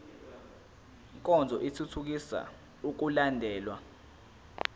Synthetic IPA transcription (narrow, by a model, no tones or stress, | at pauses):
ŋkʼɔnd͡zʱɔʔitʰutʰuk̬isa̰ | uk̬ulandʱɛːlwa